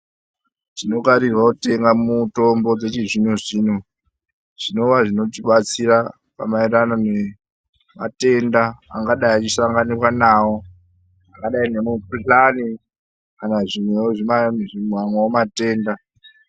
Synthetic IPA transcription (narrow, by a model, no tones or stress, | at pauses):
ʐ̥ino̞kaɾirwaute̞ŋɡamutombo̞d͡zet͡ʃiʐinoʐiːno | ʐ̥ino̞ʋaʐino̞tiɓat͡sira | pa̰maiɾanone | ma̰te̞ndaa̰ŋɡaɗaiat͡ʃisaŋɡanirwanawo̞ | aŋɡaɗainemupuɬani | kanaʐimweoʐimanʐimwamwaomate̞ːnda